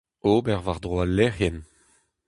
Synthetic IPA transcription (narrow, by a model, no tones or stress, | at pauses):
oːbɛʁvaʁd̪ʁwalɛhɛn